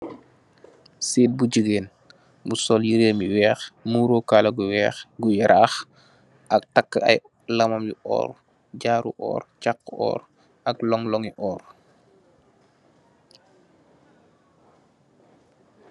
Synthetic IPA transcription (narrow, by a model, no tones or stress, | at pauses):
siːt̚buɟəɡeːn | busɔːljiɾeːmiwɛːxmuːɾokalɐɡuwɛːxɡujɛɾʔaːx | ʔɐk̚tɐkːəɐ̰j | lɐmɐmjiʔɔ̰ːr | ɟaːɾṵʔɔ̰ːɾt͡ʃakːɔ̰ːɾ | ɐklɔŋlɔŋiʔɔːr